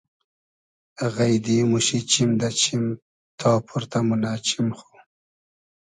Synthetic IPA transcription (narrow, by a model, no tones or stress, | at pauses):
ɣajd̪imuʃit͡ʃimd̪at͡ʃʰim | t̪ʰɑːpʰuɾt̪amʊnat͡ʃimxu̥